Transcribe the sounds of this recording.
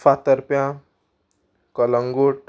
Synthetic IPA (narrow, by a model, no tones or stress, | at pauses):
fat̪əɾpjã | kʌlʌŋɡoʈ